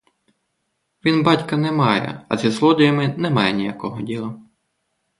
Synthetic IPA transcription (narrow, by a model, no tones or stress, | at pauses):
ʋʲinbɑtʲkɐnɛmɑjɛ̰ɐ̰zʲizlˠɔd̪ɔjɐmɪnɛmɑjɛnʲijɐkɔɦɔdʲilˠɐ